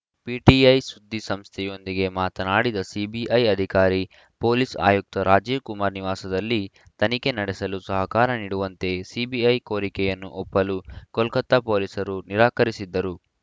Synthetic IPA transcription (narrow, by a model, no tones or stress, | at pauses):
piːʈiɐjsud̪ːisɐmst̪ʰɛjo̞nd̪iɡe̞maːt̪ɐnaːɽid̪ɐsibiʔɐjɐd̪ʱikaːɾi | po̞ːlisa̰ːjuk̚t̪ɐɾaːd͡ʒiːʋkumaːɾniʋaːsɐd̪ɐlːi | t̪ɐnike̞nɐɽɛsɐlusɐɦɐkaːɾɐniːɽuʋɐnt̪e̞sibiɐjko̞ːɾikɛjɐnːuʔɔpːɐlukɔlkɐt̪ːɐpo̞ːlisɐɾuniɾaːkɐɾisid̪ːɐɾu